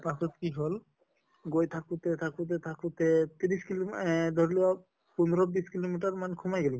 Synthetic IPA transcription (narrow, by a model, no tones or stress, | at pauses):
pakʰut̪kiɦɔl | ɡojt̪ʰakut̪ɛt̪ʰakut̪ɛt̪ʰakut̪ɛt̪iɾiskild̪ʱɔɹlia | pund̪ʱɾɔbiskilomiʈaɹmankʰumajɡɛli